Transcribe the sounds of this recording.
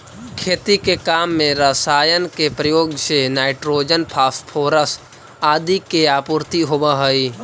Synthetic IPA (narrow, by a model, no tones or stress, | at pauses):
kʰeːt̪ikekaːmːẽɾasaːjənkepɾəjoːɡsenaːɪʈɾoːd͡ʒənpʰaːspʰoːɾəs | aːd̪ikeaːpʊɾt̪iɦobaɦəi